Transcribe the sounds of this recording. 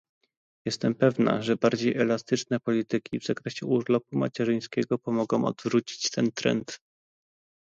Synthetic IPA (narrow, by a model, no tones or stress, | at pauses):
jɛst̪ɛmpɛvna̰ʐɛbaɾd͡ʑejʔɛlast̪ɘt͡ʂnɛpɔlʲit̪ɘkʲʰivzakɾɛɕɛuɾlɔp̚uma̰t͡ɕɛʐɘj̃skʲɛɡɔpɔmɔɡɔ̃w̃ɔ̰d̪vɾut͡ɕi̥t͡ɕt̪ɛnt̪ɾɛ̰nt̪